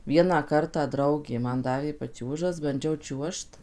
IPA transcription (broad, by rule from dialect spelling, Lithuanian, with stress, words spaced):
ˈʋʲiɛnɑː ˈkɐrtɑː ˈdrɐʊɡʲeː ˈmɐn ˈdɑːʋʲeː pɐˈt͡ʃʲuːʒɐs bɐnʲˈd͡ʒʲɛʊ ˈt͡ʃʲuɔʃt